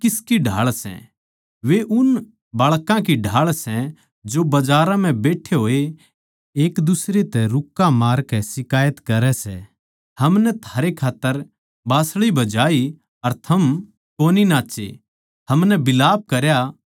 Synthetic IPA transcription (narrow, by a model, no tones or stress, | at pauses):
kɪskiɖʱa̰ːɭsɛ̰̃ | ʋeʔʊn | baːɭkãkiɖʱaːɭsɛ̃ | d͡ʒobɐd͡ʒaːɾãm̤ɛ̃beːʈʰeɦoːe | eːkd̪ʊsɾet̪ɛɾʊkːamaːɾkɛsɪkaːjət̪kɐɾɛsɛ̰ | hɐmnɛt̪ʰaːɾekʰaːt̪ːəɾ | baːsɭibɐd͡ʒaːi | ɐɾt̪ʰɐm | koːninaːt͡ʃḛ | ɦɐmnɛbɪlaːb̚kɐɾja